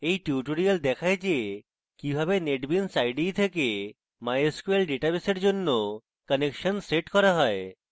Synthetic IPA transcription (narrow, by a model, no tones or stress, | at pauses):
ejʈuʈoɾiald̪ɛkʰaed͡ʑe | kibʱabeneʈbinsajɖit̪ʰeke | majeskuelɖiʈabeseɾd͡ʑonːo | kənekʃənseʈkɔɾaɦɔe